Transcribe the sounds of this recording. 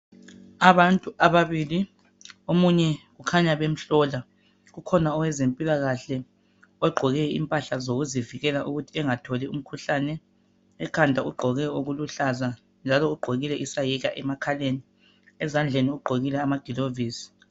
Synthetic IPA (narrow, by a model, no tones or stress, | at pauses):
aβantʼuʔaβaβili | omuɲɛɣukʰaɲaβem̩ɬɔla | ɣukʰɔnaɔwɛzempʼilaɣaɬɛ | ɔɡ͡ǃʱɔɣɛḭmpʼaɬazoɣuziviɣɛlaʔuɣutʰiɛŋatʰolium̩kʰuɬanɛː | kʰandʱauɡ͡ǃʱɔɣɛoɣuluɬaza | nd͡ʒʱalɔuɡ͡ǃʱoɣilɛʔisajiɣaʔɛmakʰaleni | ɛzand͡ɮʱeniuɡ͡ǃʱoɣilɛamaɡ̥ʱiloviːsi̥